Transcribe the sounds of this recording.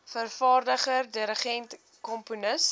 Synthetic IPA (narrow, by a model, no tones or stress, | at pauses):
fərfɑːrdəχərdiɾəχɛnt | kɔmpunəs